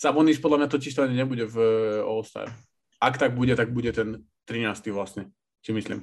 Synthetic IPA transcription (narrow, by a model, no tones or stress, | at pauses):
sabɔniʃpɔd̪lamɲat̪ɔciʃt̪ɔaɲɛɲɛbuɟɛvɔlst̪a̰ːɾ | akt̪aɡ̚buɟɛt̪aɡ̚buɟɛt̪ɛn | t̪ɾinaːst̪iʋlasɲɛ | simislḭm